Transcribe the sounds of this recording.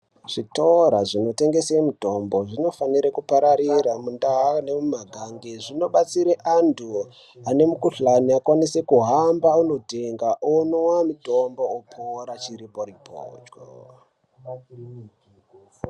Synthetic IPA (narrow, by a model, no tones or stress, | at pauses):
ʐ̥itoɾaʐino̞te̞ŋɡe̞semuto̞mbo̞ʐino̞faniɾekupaɾaɾiɾamundaɦane̞mumaɡʱaŋɡeʐino̞ɓat͡siɾeʔantʰu | ane̞mukuɬaniakwanise̞kuɦambauno̞teŋɡaʔonowamutombo̞opʰoɾat͡ʃiɾipoɾipo̰ːd͡ʒɡo̰